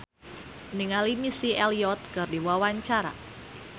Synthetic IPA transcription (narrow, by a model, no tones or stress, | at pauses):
niŋalimisiɛliɔt̪̚kɨrdiwawaɲt͡ʃaɾa̰